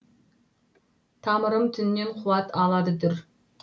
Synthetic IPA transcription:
t̪ʰɑːmɨɾɨmt̪ʰynːɪnqʰʊwɑt̪ʰɑːlˠɑd̪ɨd̪ɨɾ

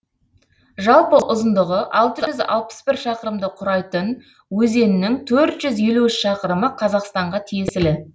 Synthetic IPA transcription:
ʒɑlˠpəʔʊzənd̪əʁəʔɑlˠt̪əʒzɑ̰lˠpə̥sbɪɾʃɑqəɾəmd̪əqʰʊɾɑjt̪ən | wɵze̞nɪnɪŋt̪ʰɵɾt̪ʒ̥ʏzje̞luɪsʃɑqəɾəməqʰɑzɑqst̪ɑɴʁɑt̪ʰijesɪlɪ

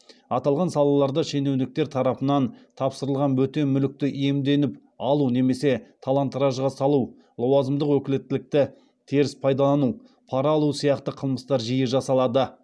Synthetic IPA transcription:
ɑt̪ɑlˠʁɑnsɑlˠɑlˠɑɾd̪ɑʃe̞ne̞wnɪk̚t̪e̞ɾt̪ʰɑɾɑpənɑnt̪ʰɑpsəɾəlˠʁɑnwɵt̪e̞mʏlɪk̚t̪ɪʔije̞md̪e̞nɪp | ɑlˠune̞me̞se̞t̪ʰɑlˠɑnt̪ɾɑʒʁɑsɑlˠu | lˠowɑzəmd̪əqwɵkʲɪlet̪ːɪlɪk̚t̪ɪ | t̪ʰeɾɪspʰɑjd̪ɑlˠɑnu | pʰɑɾɑːlˠusijɑqt̪əqʰəlˠməst̪ɑɾʒijəʒɑsɑlˠɑd̪ə

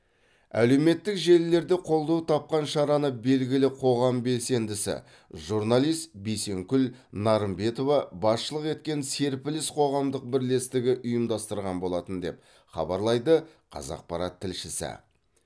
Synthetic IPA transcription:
æ̰le̞wme̞t̪ːɪkʒe̞lːe̞ɾd̪e̞qʰo̞lˠd̪ɑwt̪ʰɑp̚qɑnʃɑɾɑnəbe̞lɡʲɪlɪqʰo̞ʁɑmbe̞lse̞nd̪ɪsɪ̰ | ʒuɾnalˠijst̪bejse̞ŋkʲʏlnɑɾəmbe̞t̪o̞vɑbɑsʃəlˠəqe̞t̪̚kʲe̞nse̞ɾpɪlɪsqʰo̞ʁɑmd̪əq̚bɪɾle̞st̪ɪɡʲɪʔʊjəmd̪ɑst̪əɾʁɑnbo̞lˠɑt̪ənd̪e̞̰p̚ | χɑ̰bɑɾlˠɑjd̪əqʰɑ̰zɑ̰q̚pɑɾɑt̪ʰːɪlʃɪsɪ̰

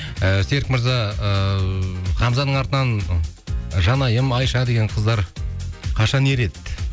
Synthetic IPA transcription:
əse̞ɾɪkməɾzɑ | χɑmzɑnəɴɑɾt̪ənɑn | ʒɑnɑjəmɑjʃɑd̪e̞ɡʲe̞ɴqʰəzd̪ɑɾ | qʰɑʃɑne̞ɾe̞t̪

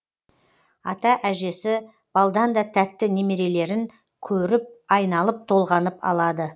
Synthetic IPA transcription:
ɑt̪ɑʔæʒe̞sɪ | b̥ɑlˠd̪ɑnd̪ɑt̪ʰæt̪ːɪne̞me̞ɾe̞le̞ɾɪŋ | kʲʰɵɾɪp̚ɑjnɑlˠəp̚t̪ʰo̞lˠʁɑnəpɑ̰lˠɑd̪ə

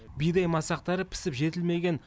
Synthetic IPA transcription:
bijd̪ejmɑsɑq̚t̪ɑɾəpʰɪ̥sɪpʒe̞t̪ɪlme̞ɡʲe̞n

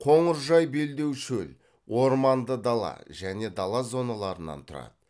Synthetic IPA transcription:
qʰo̞ɴəɾʒɑjbe̞ld̪e̞wʃɵl | wo̞ɾmɑnd̪əd̪ɑlˠɑ̰ʒ̥æne̞d̪ɑlˠɑzo̞nɑlˠɑɾənɑ̰nt̪ʰʊɾɑ̰d̪ə

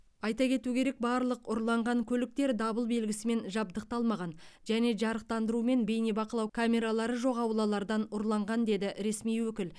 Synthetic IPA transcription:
ɑjt̪ɑkʲʰe̞t̪ukʲʰe̞ɾe̞k̚bɑɾlˠəqʊɾlˠɑɴʁɑŋkʲʰɵlɪk̚t̪e̞ɾd̪ɑbəlˠbe̞lɡʲɪsɪme̞nʒɑb̚d̪əq̚t̪ɑlˠmɑʁɑnʒæne̞ʒɑɾəq̚t̪ɑnd̪əɾume̞nbe̞jnebɑqəlˠɑwkʰamʲe̞ɾalˠɑɾəʒo̞qɑwlˠɑlˠɑɾd̪ɑnʊɾlˠɑɴʁɑnd̪e̞d̪ɪɾe̞smijwɵkʲɪl

